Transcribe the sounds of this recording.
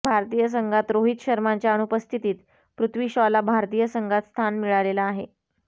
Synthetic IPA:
bʱaɾt̪iːjəs̬əŋɡʱat̪ɾoɦit̪ɕəɾmaɲt͡ɕjaəɳ̃upəst̪ʰit̪iːt̪ | pɾut̪ʰʋiːɕɔlabʱaɾt̪iːjəsəŋɡʱat̪st̪ʰanmiɭalelaːɦe

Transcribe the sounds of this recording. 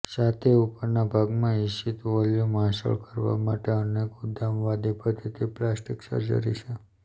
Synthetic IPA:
sat̪ʰeupəɾnabʱaɡmãiʃit̪ʋɔljomaʃə̰ɭkəɾʋa̰maʈeəneɡud̪ʱamʋad̪ipəd̪ʱit̪ʰiplasʈiksə̰ɾd͡ʒə̰ɾḭt͡ʃʰe

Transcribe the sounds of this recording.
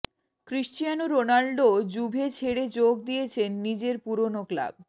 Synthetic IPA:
kɾiʃʈijanoɾonaɭɖod͡ʑubʱet͡ɕʰeɽed͡ʑoɡ̚d̪ijet͡ɕʰenːid͡ʑeɾpuɾonokla̰b̚

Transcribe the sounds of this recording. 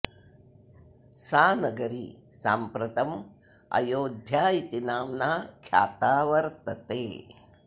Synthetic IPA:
saːnɐɡɐɾḭsa̰ːmpɾɐt̪ɐm | ɐ̰joːd̪ʱjaːit̪inaːmnaːkʰja̰ːt̪aːʋɐɾt̪ɐt̪eː

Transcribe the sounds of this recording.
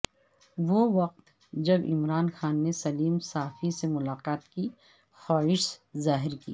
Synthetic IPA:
ʋoʋɐq̚t̪ | d͡ʒɐbɪ̰mɾaːnxaːnːesɐliːmsaːfisemʊlaːqaːt̪ki | xaːɪʃzaːɦɪɾkḭː

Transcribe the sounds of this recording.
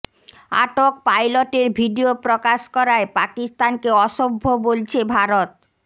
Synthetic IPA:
a̰ʈokpajloʈeɾbʱiɖiopɾokaʃkɔɾaepakist̪ankeɔʃobʱːobolt͡ɕʰebʱaɾot̪̚

